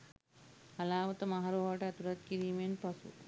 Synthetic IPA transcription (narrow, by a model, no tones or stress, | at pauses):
ɐlaːʋɐt̪ɐmɐɦɐɾoʋɐʈɐt̪uɾɐt̪̚kiɾimenpɐsṵ